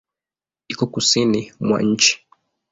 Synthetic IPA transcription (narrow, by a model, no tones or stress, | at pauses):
ikɔkusinimwa̰ɲ̩t͡ʃi̥